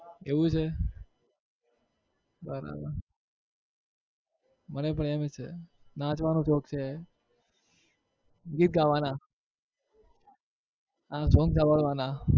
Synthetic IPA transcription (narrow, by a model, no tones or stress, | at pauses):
eʋũt͡ʃʰe | bəɾa̰bə̰ɾ | mənep̬əɳemet͡ʃʰḛ | nãt͡ʃʋanũt͡ʃoːk̚t͡ʃʰe | ɡit̪̚ɡaʋana | ɦãsoːŋɡsabəɭʋana